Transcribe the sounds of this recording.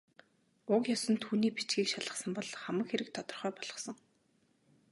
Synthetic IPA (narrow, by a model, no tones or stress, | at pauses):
ʊkjɔsə̆nt̪ʰːuːniːpi̥t͡ɕɡiːkʃaɮə̆χsə̆mpɔɮχæmə̆kxeɾɘ̆k̚t̪ʰɔt̪ɞ̆rχœːpɔɮɞ̆χsɞ̆ŋ